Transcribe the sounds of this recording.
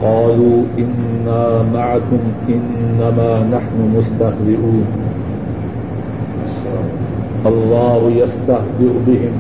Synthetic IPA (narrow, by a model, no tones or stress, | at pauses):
qɑːluːʔɪnːaːmaʕakʊmʔɪnːamaːnaħnʊmʊst̪axd̪ɪʔuːn | ʔɑlˤːɑːhʊjast̪ahd̪ɪɾbɪɦɪm